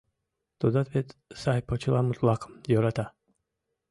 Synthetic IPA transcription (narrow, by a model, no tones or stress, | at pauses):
t̪od̪at̪vet̪sajpot͡ʃilamut̪lˠakmjoɾat̪a